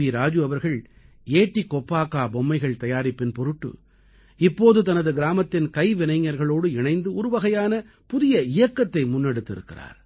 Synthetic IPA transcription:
iɾaːd͡ʒɯɐʋɐɾɣɐɭ | eːʈːikːɔpːaːkaːbɔmːɐɪɣɐɭt̪ɐjaːɾɪpːɪnpɔɾɯʈːɯ̰ | ɪpːoːðɯt̪ɐnɐðɯɡɪɾaːmɐt̪ːɪnkɐɪʋɪnɐɪŋːɐɾɣɐɭoːɽɯɪɳɐɪnd̪ɯʊɾʊʋɐɣɐjaːnɐ | pʊðɪjɐɪjɐkːɐt̪ːɐɪmʊnːɛɽɯt̪ːɪɾɯkːɪra̰ːɾ

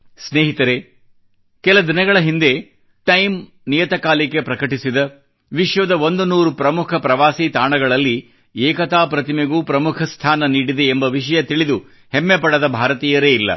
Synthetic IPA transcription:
sneːɦit̪ɐɾe | kɛlɐd̪inɐɡɐɭɐɦind̪e̞ | ʈɐjm | nijɐt̪ɐkaːlike̞pɾɐkɐʈisid̪ɐ | ʋiʂʋɐd̪ɐʋond̪unuːɾupɾɐmukʰɐpɾɐʋaːsit̪aːɳɐɡɐɭɐlːi | ɛːkɐt̪aːpɾɐt̪imeɡuːpɾɐmukʰɐst̪ʰaːnɐniːɽid̪e̞ːmbɐʋiʂɐjɐt̪iɭid̪u | hemːepɐɽɐd̪ɐbʱaːɾɐt̪iːjɐɾeːilːɐ̰

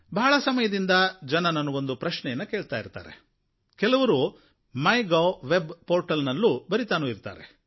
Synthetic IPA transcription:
bɐːɭɐsɐmɐjɐd̪ind̪ɐd͡ʒɐnɐnɐnːuo̞nd̪upɾɐʃnɛjɐnːɐkeːɭt̪aːjiɾt̪a̰ːɾe̞̰ | kɛlɐʋɐɾu | mɐjɡɐʋebpoːɾʈɐlnɐlːubɐɾit̪aːnuːiɾt̪a̰ːɾe

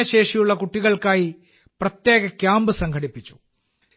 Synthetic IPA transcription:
ɐɕe̞ːʂijuɭːɐkuʈːiɣɐɭkaːji | prɐt̪je̞ːɣɐkʲjaːmbɨsɐŋɡʱɐɽipːit͡ɕːu̥

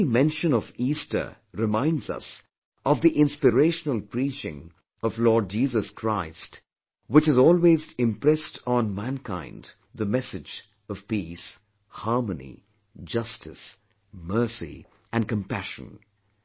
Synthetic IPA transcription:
mɛ̃nʃɨ̃nʌvistə̰˞ | ɾɨmãɪ̃ndzʌ̰s | ʔʌvðiʔɪ̃nspɨɾeɪʃnəlˠpʰɹit͡ʃɪ̰̃ŋ | ʌvlɔːɹd̚d͡ʒiːzəskʰɹ̥aɪst | wɨt͡ʃɨzɔlˠweːzɪ̃mpɹɛstʰn̩mæ̃nkʰãɪ̃nd | ðəmɛsɨd͡ʒ | ʌv̥pis | hɑɹmənḭ | d͡ʒʌstʰɨs | mɜ˞sḭ | ʔɨ̃nkə̃mpæʃə̰̃n

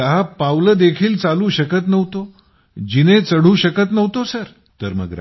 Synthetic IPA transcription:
əɦapawləd̪ekʰiːlt͡saluːɕəkət̪nəʋt̪o | d͡ʑinet͡səɽ̤uːɕəkət̪nəʋt̪osəɾ | t̪əɾmə̰ɡɾa̰

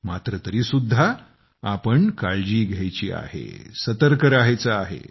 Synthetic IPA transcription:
mat̪ɾət̪əɾiːsud̪ʱːa | apəɳkaɭd͡ʑiːɡʱjajt͡ɕḭːa̰ɦḛsət̪əɾkəɾaɦjt͡saaɦḛ

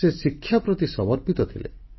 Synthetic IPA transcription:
esikʰːjapɾɔt̪isɔbɔɾpit̪ɔt̪ʰilḛ

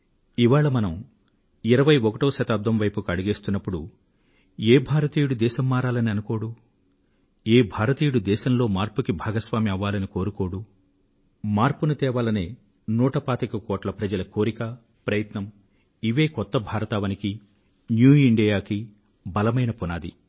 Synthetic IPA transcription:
iʋaːɭɐmɐnɐm | iɾɐʋɐjɔkɐʈoːʃɐt̪aːb̚d̪ʱɐmʋɐjpukɐɽuɡeːst̪unːɐpːuɽu | eːbʱaːɾɐt̪iːjuɽud̪ɛːʃɐmːaːɾaːlɐniɐnuko̞ːɽu | eːbʱaːɾɐt̪iːjuɽud̪ɛːʃɐmlo̞ːmaːɾpukibʱaːɡɐsʋaːmiɐʋːaːlɐniko̞ːɾuko̞ːɽu | maːɾpunut̪ɛːʋaːlɐneː | nuːʈɐpaːt̪ikɐkoːʈlɐpɾɐd͡ʒɐlɐkoːɾikɐ | pɾɐjɐt̪nɐm | iʋe̞ːkɔt̪ːɐbʱaːɾɐt̪aːʋɐniki | njuːiɳɖijaːki | bɐlɐmɐjnɐpunaːd̪ḭ

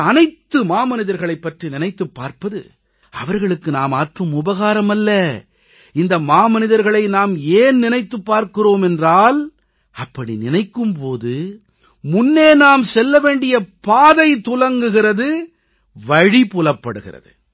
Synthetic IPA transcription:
ɐnɐɪt̪ːɯmaːmɐnɪðɐɾɣɐɭɐɪpːɐʈrinɪnɐɪt̪ːɯpːaːɾpɐðɯ̰ | ɐʋɐɾɣɐɭɯkːɯnaːmaːʈrɯmʊbɐɣaːɾɐmɐlːɐ | ɪnd̪ɐmaːmɐnɪðɐɾɣɐɭɐɪnaːmeːnnɪnɐɪt̪ːɯpːaːɾkɪroːmɛndraːl | ɐpːɐɽinɪnɐɪkːɯmpoːðɯ | mʊnːeːnaːmsɛlːɐʋeːɳɖɪjɐpaːðɐɪt̪ʊlɐŋɡɯɣɪrɐðɯ | ʋɐɻipʊlɐpːɐɽɯɣɪ̰rɐ̰ðɯ̰

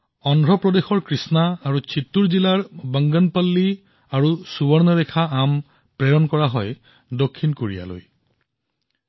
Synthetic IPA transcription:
ɔndʱɹɔpɹɔdexɔɹkɹisnaːɹut͡ʃʰitːuɹzilaɹbəŋɡɔnpalːi | aɹusubɔɹnɔɹɛkʰaam | pɹɛɹɔnkɔɹaɦɔj | dokʰːinkoɹḭja̰lo̰j

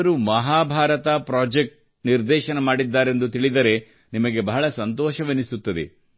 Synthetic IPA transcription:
ɾumɐɦaːbʱaːɾɐt̪ɐpɾaːd͡ʒek̚ʈ̚ | niɾd̪ɛːʃɐnɐmaːɽid̪ːaːɾe̞nd̪ut̪iɭid̪ɐɾe̞ | nimɐɡe̞bɐɦɐɭɐsɐnt̪ɔːʃɐʋenisut̪ːɐd̪ḛ

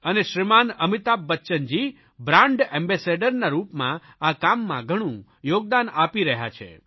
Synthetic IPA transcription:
əneʃɾimanəmit̪abːətːʃənd͡ʒi | bɾãɳɖɛ̃mbɛseɖəɾnaɾupmã̰ | akamːã̰ɡʱəɽ̃ũ | joɡ̚d̪anapiɾəɦja̰t͡ʃʰḛ

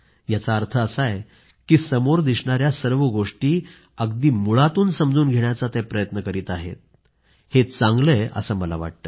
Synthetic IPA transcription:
jat͡saəɾt̪ʰəəsaj | kiːsəmoɾd̪isɳaɾjasəɾʋəɡoʂʈiː | əɡd̪iːmuɭat̪uːnsəmd͡zuːnɡʱeɳjat͡sat̪epɾəjət̪nəkəɾiːt̪aɦḛt̪̚ | het͡sãŋɡləjə̰səːməlaʋa̰ʈ̚t̪əː

